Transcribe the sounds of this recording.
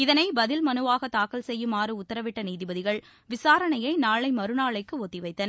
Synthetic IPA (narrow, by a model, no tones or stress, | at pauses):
ɪðɐnɐɪbɐðɪlmɐnɯʋaːɣɐt̪aːkɐlsɛjːɯmaːrɯʊt̪ːɐɾɐʋɪʈːɐniːðɪbɐðɪɣɐɭ | ʋɪsaːɾɐɳɐjɐɪnaːɭɐɪmɐɾɯnaːɭɐɪkːɯoːt̪ːɪʋɐɪt̪ːɐnɐ